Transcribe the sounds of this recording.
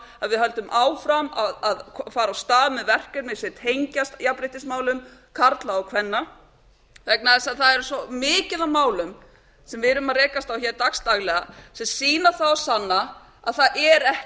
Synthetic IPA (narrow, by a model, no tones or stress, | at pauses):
aðvɪðɦœlt̪ʏmʔaːwfɾamaðaðkʰfaːɾawst̪aːðmɛðvɛr̥kʏɾmɪsɪt̪ʰejɲcast̪japɾɪht̪ɪsmaːwlʏmkʰaɾt̪laakʰvɛnːa | vɛknaðɛsaðθaðɛɾʏsɔmɪːcɪðamaːwlʏm | sɛmvɪðɾʏmaðɾrɛːkast̪awçɛɾt̪akst̪aɣlɛɣasɛmsiːnaθawasanːa | aðθaðʔɛɾɛh